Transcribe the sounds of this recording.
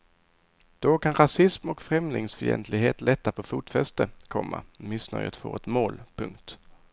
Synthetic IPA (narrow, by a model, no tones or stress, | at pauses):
d̪̥ɔkʰanɾasɪsmɔkfɾɛmlɪŋsfœɾjɛ̰nt̪ʰlɪɡɦeːt̪lɛt̪ːapʰɔfuːt̪fɛst̪əkʰɔmːa̰mɪsnœjət̪fo̰ːɛt̪moːlpʰɵŋkt̪